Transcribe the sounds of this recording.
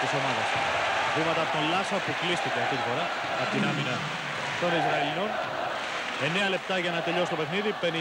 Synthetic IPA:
t̪iso̞mɐðɐ̰s | vimɐt̪ɐpot̪olɐsopuklist̪iceɐft̪it̪ifo̞ɾɐ | ɐpot̪inɐminɐ | t̪o̞nizɾɐelino̞n | e̞ne̞ɐle̞p̚t̪ɐʝɐnɐt̪e̞ʎo̞sit̪ope̞xniðipe̞ni

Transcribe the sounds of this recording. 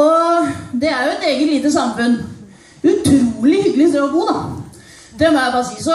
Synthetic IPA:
ɔd̪ɛæɾjʊɛt̪eːɡət̪liːt̪əsɑmfʉn | ʉt̪ʰɾuːlɪhʏɡlɪsɛɔɡuːd̪ɑ | d̪ɛmɔjæbɑːsiːsɔ

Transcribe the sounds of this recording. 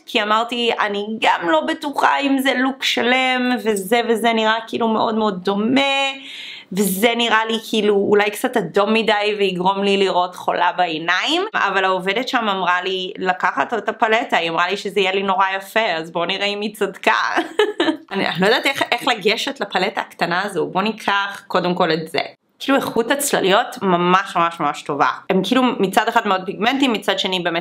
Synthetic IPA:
kʰiamaʁtia̰niɡamlo̞betuχaimzelukʃalemvezevezeniʁakiilume̞ʔo̞̰dmeo̞d̚ːo̞me | vezeniʁalikʰiːluːlajkt͡satado̞mːidajveiɡʁo̞mliliʁo̞tχo̞̰labaenaima̰valaovedetʃamamʁalilakaχatotapaletaiamʁaliʃezeijelino̞ʁajafeazbo̞niʁaimit͡sadka̰ | ania̰nilojdat̪eχeχlaɡeʃetlapaletaːktanaːzobo̞nikʰaχko̞demko̞letzḛ | kilueχutat͡sla̰lijo̞tmamaʃmamaʃmamaʃto̞va̰emkilumit͡sadeχatmeod̚piɡmɛntimːit͡sadʃe̞nibeːme

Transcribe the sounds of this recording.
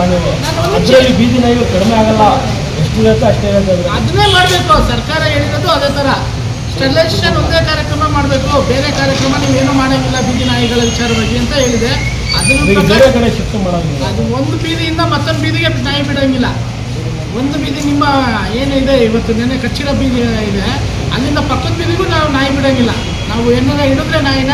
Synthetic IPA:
nelenaːnonɐeibiːd̪inaːjiɡɐkɐɽmeaːɡɐlːɐ | eʂʈud͡ʒɐt̪ːeɐʂʈeɦeːɭt̪ajd̪ɐɾɐd̪ɐnːe̞ːmaːɽɐbeːkusɐɾkaːɾɐɦe̞ːɭiɾod̪uɐd̪eːt̪ʰɐɾɐ | ʈelːeʂɐno̞nd̪eːkaːɾjɐkɾɐmɐmaːɽɐbe̞ːkube̞ːɾekaːɾjɐkɾɐmɐniːʋe̞ːnuːmaːɽamilːɐbiːd̪inaːjuɡɐɭɐʋit͡ʃaːɾɐbaːɡiɐnt̪ɐɦe̞ːɭid̪e | ɐd̪ɐniɐbeːɾekɐɳeʃɐt̪ːumaːɽon | ɐd̪uo̞nd̪ubiːd̪ijind̪ɐmɐt̪ːɐbiːd̪iɡe̞naːjɐbiɽɐŋɡilːɐ | o̞nd̪ubiːd̪inimːɐ | eːnuid̪e̞iʋɐt̪ːunenːekɐt͡ʃːiɾɐbiːd̪iaɡid̪e̞ | ɐ̰lːind̪ɐpɐkːɐd̪̚biːd̪iɡunaːʋunaːjɐbiɽɐːŋɡilːɐ̰ | naːʋuenːɐnɐiɽud̪ɾenaːjɐnɐ

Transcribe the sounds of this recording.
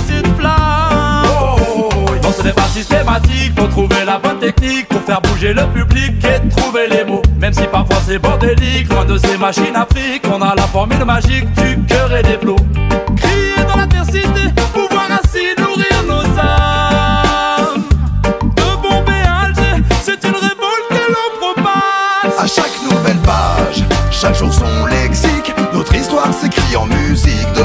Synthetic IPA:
synpla | o | ivɔ̃səlɛpasist̪emat̪ik̚puʁt̪χuvelabwɛ̃nt̪ɛknik̚puʁfɛʁbuʒeləpybliket̪χuvelemomɛmsipaʁfwasɛbɔ̃ʁd̪eliklwɛ̃d̪əsemaʃinafχikɔ̃nalafɔʁmylmaʒik̚d̪ykəʁed̪eplokχijed̪ɑ̃lat̪ɛʁsit̪epuvwaʁɛ̃sinuʁiʁnoza | ʁ | d̪əbɔ̃bealʒesɛt̪ynʁevɔlkɛlɔ̃pχɔpasaʃaknuvɛlpa̰ʒʃakʒuʁsɔ̃lɛksiknɔt̪χist̪waʁsekχiɑ̰̃myzikd̪ə

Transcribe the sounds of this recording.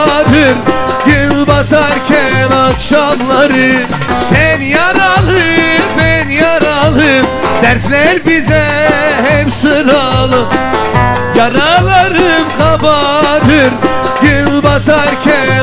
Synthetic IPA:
ɾɯɾ | ɟynbat̪ʰaɾcʰænakʃamlˠaɾɯ | sænjaɾalˠɯbænjaɾalˠɯm | d̪̥æɾslʲæɾbizɛ | ɦɛpsɯɾalˠɯm | jaɾalˠaɾɯmkʰabaɾɯɾ | ɟynnbat̪ʰaɾcʰæn

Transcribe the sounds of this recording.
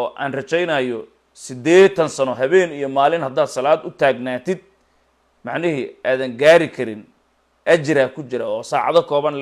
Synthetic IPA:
ɔʔa̰ːnrɐt͡ʃɛjnɐjɔ | sɪd̪ɛːt̪ʰɐnsɐnɔɦɐβɛːnijɔmaːlɪnhɐd̪aːd̪sɐlaːd̪ʊt̪ʰaːɡnaːt̪ʰɪd̪̚ | mɑʕnɪɦiʔaːðɐŋɡaːɾɪkʰɐɾɪn | ʔɐt͡ʃɪɾaːkʰʊt͡ʃɪɾɐɔːsaːʕɑ̰ðɐkʰɔːβɐnl

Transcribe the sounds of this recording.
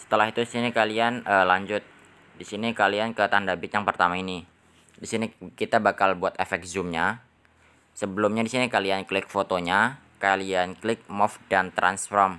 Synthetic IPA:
sə̥t̪əlaɦit̪udisinikalianəlaɲd͡ʒʊt̪̚ | disinikaliankət̪andabɪt̪jaŋpərt̪amaini | disinikit̪abakalbuat̪efɛk̚zumɲa | səbəlʊmɲadisinikalianklɪk̚fot̪oɲa | kalianklɪk̚mɔfdant̪ɾa̰nsfɾɔm

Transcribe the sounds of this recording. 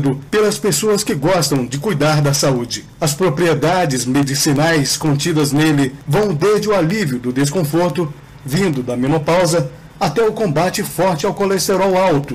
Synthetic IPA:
d̪ʊpelɐspesoɐskɪɡɔst̪ɐ̃w̃d͡ʒɪkujd̪aɾd̪ɐsaud͡ʒɪ | ɐspɾopɾied̪ad͡ʒɪzmed͡ʒisinajskõnt͡ʃid̪ɐznelɪvɐ̃w̃d̪ezd͡ʒɪʊaliviʊd̪ʊd̪eskõfoɾt̪ʊ | vĩnd̪ʊd̪ɐmẽnopawzɐ | at̪ɛʊkõmbat͡ʃɪfɔɾt͡ʃɪawkolest̪eɾawawt̪ʊ

